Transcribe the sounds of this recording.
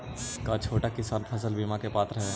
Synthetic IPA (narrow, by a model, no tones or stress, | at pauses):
kat͡ʃʰoːʈakɪsaːnpʰəs̬əlbimãkepaːt̪ɾəɦe